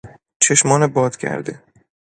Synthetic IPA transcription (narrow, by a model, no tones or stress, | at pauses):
t͡ʃʰeʃmɒːnebɒːd̪̥cʰæ̰ɾd̪e